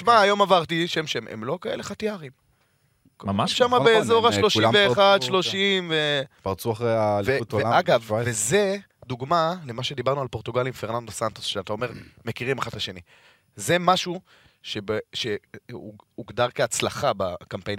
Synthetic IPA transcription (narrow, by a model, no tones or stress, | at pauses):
iʃmaːjo̞mavaʁt̪iʃemʃemʔḛmlo̞kae̞leχat̪iaʁim | kmaʃamabeːzo̞ʁaʃloʃilmveːχad̪ʃlo̞ʃimvepaʁt͡suaχʁejaveteaɡavveze | d̪uɡmale̞maʃed̪ibaʁnualpo̞ʁt̪uɡalimfe̞ʁnand̪osant̪o̥sʃeat̪ao̞me̞ʁmekiʁimaχad̪aʃe̞ni | zemaʃu | ʃe̞beʃeuuɡd̪aʁkeat͡slaχabakampen